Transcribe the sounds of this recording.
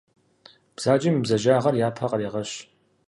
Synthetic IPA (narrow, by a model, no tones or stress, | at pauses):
b̥z̥aːt͡ʃʼɪmibzɐʒaːʁɐrjaːpʰɐqɐɾiːʁɐɕ